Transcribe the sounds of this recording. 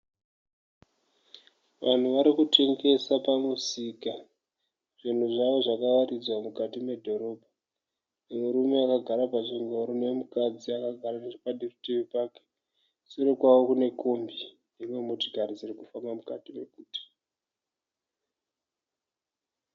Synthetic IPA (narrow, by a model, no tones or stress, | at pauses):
ʋʔan̤uʋaɾikutʰe̞ŋɡe̞sapamusika | ʐin̤uʐaʋo̞ʐakaʋaɾid͡zwamukatime̞dʱo̞ɾo̞ːbʱa | muɾume̞akaɡʱaɾapaʐiŋoɾonemukad͡ziakaɡʱaraipaɗirutiʋipake̥ | siɾikwawo̞kune̞kombi | niriwemutiɡʱaɾid͡zirikufambamukatime̞kuːti̥